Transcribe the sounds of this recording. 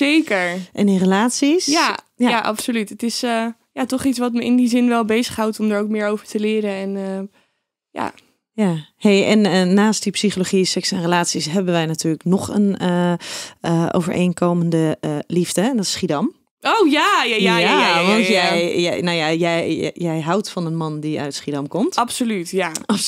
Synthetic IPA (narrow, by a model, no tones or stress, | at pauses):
zejkəɹʔɛnirəlaːtsisja | jajaʔɑ̰psolytətɪsə | jatɔχitsʋɑtməɪ̰ndizɪnʋɛlˠbejzəχɦawtɔmdəɹowk̚mɪːɹowvəɹtəlɪːɾəɛnə | ja̰ | jahejɛnəːaːst̚dipsiχoloχisɛksɛnrəlaːtsisɦɛbəʋɛjnatyːɹləknɔχənə | əʔo̰wvə̰ɹʔḛjnkowməndəlivdədɔtsχidɑm | owjajajaaʋɑnjɛjjnawjajɛjjɛjɦawtfɑnənmɑndiœ̰ɥtsχidɑmkɔmtɑpsolytjaɑ